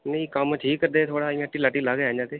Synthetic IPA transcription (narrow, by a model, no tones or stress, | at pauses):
nə̃ĩkəmʈʰiːkəɾd̪eːt̪ʰoːɽaːɪ̃ãʈiːlaːʈiːlaːɡad͡ʒãːt̪eː